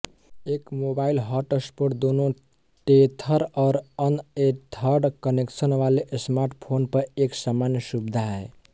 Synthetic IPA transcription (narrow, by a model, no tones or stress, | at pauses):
ekmobailɦaʈəspoʈd̪ono | ʈet̪ʰəɾaʊɾənet̪ʰəɾɖkəneksənʋaleʔsmaɾʈpʰonpəɾeksamanjəsubd̪ʱaɦɛ